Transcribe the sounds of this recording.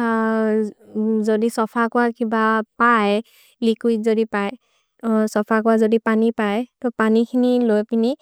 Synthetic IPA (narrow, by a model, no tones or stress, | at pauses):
zodisɔpʰakʊwakibapaj | likujzodipaj | sɔpʰakɔwazodipanipajtɔpanikʰinilojpini